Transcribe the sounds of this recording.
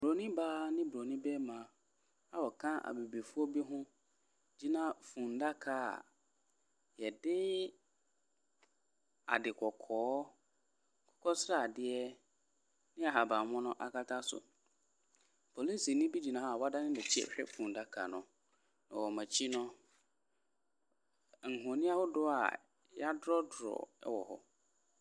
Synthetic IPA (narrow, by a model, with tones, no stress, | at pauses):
bɾo˨nĩ˦baː˦nɪ̃˦bɾo˨nĩ˦bɛ˦mã˨˦ | a˨wɔ˨kʰã˦ʔa̰˨be˨bi˨fu˦ɔ˦bi˦ɦʊ̃˦ | d͡ʑi˦nã˦fũ˨nda˦kʰa̰˦˨ | jɛ˨dɪ˦ | a̰˨dɪ˨kʰɔ˨kʰɔː˨˦ | kʰɔ̥˦kʰɔ˦sɾa˦˨dɪ˦ɛ˦ | nɪ̃˦a˨ɦa˨bã˨˦mʊ̃˦nʊ̃˦ʔa˨kʰa˦tʰa˦sʊ̰˨ | pʰo˨li˦si˨nɪ̃˦bi˦d͡ʑi˨nã˨˦a˦˨wa˦da˦nɪ̃˦dɛ˨t͡ɕʰi˦ɛ̰˦˨ɕᶣɛ̰˦fũ˨n˨da˦kʰa˨nʊ̃˨ | nã˨wɔ˨mã˨t͡ɕʰi˦nʊ̃˦ | ŋ̩˨hʊ̃˨nɪ̃˦a˦hʊ˦dʊ˦a̰˨ | ja˦dɾɔ˦dʊ˨ɾɔ̰˨ɛ̰˦wɔ̰˨hɔ̰˦